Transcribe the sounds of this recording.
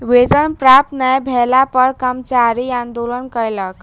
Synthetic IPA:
ʋed͡zənpɾap̚t̪nəjbʱɛlapəɾkəmt͡ɕaɾiãnd̪olənkəjlək

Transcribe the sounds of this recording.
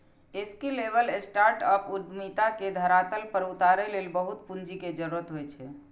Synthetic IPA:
eskilebəlesʈaɾʈəpʰud̪mit̪aked̪ʱəɾat̪əlpəɾut̪aɾelelbəɦut̪̚pund͡ʒiked͡ʒəɾuɾət̪ɦojt͡ʃʰɛ

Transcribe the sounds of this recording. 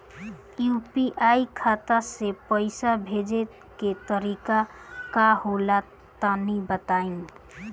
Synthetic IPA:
jupiʔaikʰat̪asepəɪsabʱed͡ʒet̪ | ket̪əɾikakahola | t̪ənəbət̪ain

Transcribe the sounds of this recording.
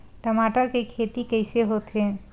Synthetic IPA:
ʈəmaʈəɾkekʰet̪ikəɪseɦot̪ɦẽ

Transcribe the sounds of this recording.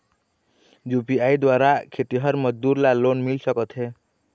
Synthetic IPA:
jupiaid̪waɾakʰet̪iɦəɾməd͡ʒd̪uɾlalonmilsəkət̪ɦe

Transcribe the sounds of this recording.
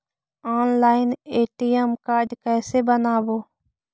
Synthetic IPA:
aːnlaːɪneːʈiːɛmkaːɖkɛːseːbənaːboː

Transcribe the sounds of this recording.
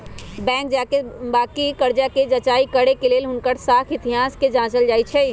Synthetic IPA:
bɛ̃ːk̚d͡ʒakebaːkikəɾd͡ʒaked͡ʒət͡ʃaikəɾekeleːlɦʊnkəɾsakʰɪt̪iɦaːsked͡ʒãːt͡ʃəld͡ʒaːit͡ʃʰɛ

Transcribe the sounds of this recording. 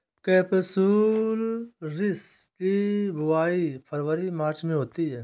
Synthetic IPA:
kɛːpəsuːlɾɪskibʱʊaːipʰəɾʋəɾimaːɾt͡ʃmẽɦoːt̪iɦɛː

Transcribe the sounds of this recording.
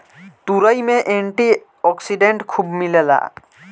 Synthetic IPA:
t̪uɾəimẽʔẽɳʈi | ɔksiɖẽɳʈkʰubmiləla̰ː

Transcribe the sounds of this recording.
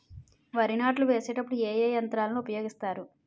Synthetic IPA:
ʋaːɾinaːʈluʋe̞ːseːʈɐpːuɽueːjeːjɐnt̪ɾaːlɐnuupɐjo̞ːɡist̪aːɾu

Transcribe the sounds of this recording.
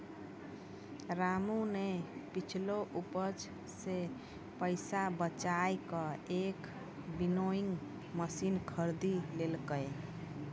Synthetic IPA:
ɾamunepit͡ʃʰloʔupət͡ʃ | se | pəɪsabət͡ʃajkəek | binoiŋɡ | məsinkʰəɾd̪ilelkəj

